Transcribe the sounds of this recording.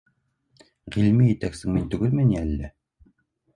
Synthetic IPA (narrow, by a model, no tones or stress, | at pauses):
ʁilmijɘ̆t̪æksɘŋmint̪ɵ̆ɡɘlmɘniælːæ